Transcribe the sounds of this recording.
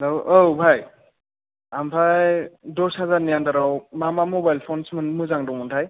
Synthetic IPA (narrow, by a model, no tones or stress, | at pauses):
lawowbʱaj | ampʰajdɔshazaɾnijandaɾawmamamɔbajlpʰonsmɯnmuzaŋdɔmɔntʰaj